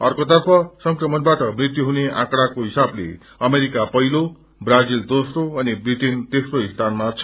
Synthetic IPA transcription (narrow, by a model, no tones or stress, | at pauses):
ʌrkot̪ʌrpʰʌsʌŋkrʌmʌnbaʈʌmrit̪juɦuneã̰kɽakoɦisablḛ | ʌmeɾikapʌɦilo | brad͡zild̪osroʌnibriʈint̪esroist̪ʰanmat͡sʰʌ̥